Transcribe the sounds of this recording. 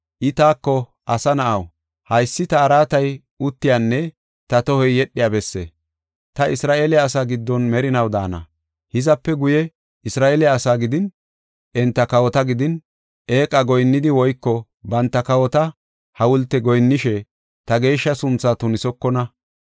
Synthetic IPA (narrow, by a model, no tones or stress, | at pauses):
ʔɪt̪aːkːɔ | ʔɐsɐnɐʔɐw | hɐjsːɪt̪ɐːɾaːt̪ɐj | ʊt̪ːɪjaːnːɛ | t̪ɐt̪ɔhɔjːɛɗːɪjabɛsːḛː | t̪ɐɪsɾaːʔeːlɪjaːsaːɡɪd̪ːɔnmɛɾɪnɐwd̪a̰ːnɐ̰ | hɪzɐpːɛɡʊjɛ | ɪsɾaːʔeːlɪjaːsaːɡɪd̪ɪn | ʔɛnt̪ːɐkɐwɔt̪ɐɡɪd̪ɪn | ʔe̞ːkʼɐɡɔjnːɪd̪ɪwɔjkːɔ | bɐnt̪ːɐkɐwɔt̪ɐ | hɐwʊlt̪ːɛɡɔjnːɪʃɛ | t̪ɐɡe̞ːʃːɐsʊnt͡sːat̪ʊnɪsɔkːɔnɐ